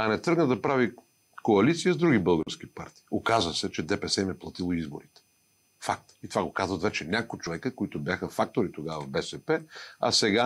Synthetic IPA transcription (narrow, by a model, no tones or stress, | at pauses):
ɐnɛt̪ɾɤɡnəd̪ɐpɾavi | koɐlit̪sijəzd̪ɾuɡʲibɤlˠɡəɾsk̟ipaɾt̪i̥ːokazvəsɛt͡ʃɛd̪ɛpɛsɛmɛplˠɐt̪ilˠoizbo̰ɾit̪ɛ̥ | fak̚t̪it̪ovaɡokazvət̪vɛt͡ʃɛnʲakoot͡ʃovɛkəkoit̪objaxəfak̚t̪oɾit̪oɡavəvbɛsɛpɛa̰sɛɡa